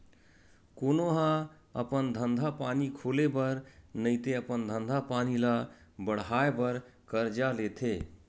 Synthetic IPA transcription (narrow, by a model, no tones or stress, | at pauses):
konoɦã | ə̰pənd̪ʱənd̪ʱapanikʰolebəɾnəɪt̪eəpənd̪ʱənd̪ʱapanilabəɽ̤aebəɾkəɾd͡ʒalet̪ʰe